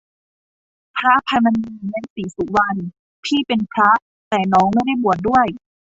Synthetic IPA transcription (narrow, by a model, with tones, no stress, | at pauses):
pʰɾa˦˥pʰa˧ma˧niː˧na˧˥nsiː˩˦su˨˩˦wa˧n | t̪ʰiː˥˩pe˧nkʰɾa˦˥ʔ | t̪ɛː˨˩nɔː˦˥ŋma˥˩jda˥˩jbu˨˩ət̪̚du˥˩əj